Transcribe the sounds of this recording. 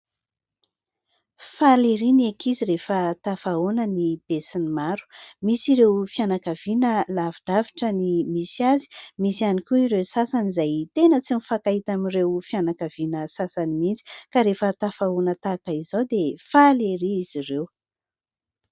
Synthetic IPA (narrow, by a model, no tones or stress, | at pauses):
faleɾinekʰiziɾefət̪afaonənib̥esinimaɾu̥misiɾewfianakav̥inəlavid̪̥aviʈ͡ʂənimisiazi̥misianikʲuiɾewsasanizajt̪enət͡simifakaɦit̪aminrewfjanakavinəsasanimint͡si̥kaɾefət̪afaonət̪akəizowd̪efaleɾiːzirew